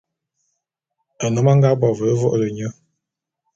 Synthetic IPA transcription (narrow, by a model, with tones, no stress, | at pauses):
ə˨nɔ˨˦ma˦ŋɡa˦bɔ˨və˨˦vɔ̰˦ʔlə˨ɲə˦